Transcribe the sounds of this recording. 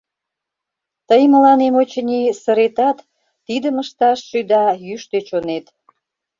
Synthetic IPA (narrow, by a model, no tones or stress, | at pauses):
t̪əjməlɑnemot͡ɕənʲisəɾet̪ɑt̪ː | id̪əməʃt̪ɑʃːyd̪ɑjyʃt̪øt͡ɕonet̪